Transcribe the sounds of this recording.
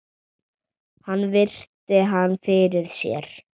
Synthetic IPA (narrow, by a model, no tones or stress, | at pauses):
hanːvɪr̥t̪ɪɦanːfɪɾɪðsjɛ̰ɾ̥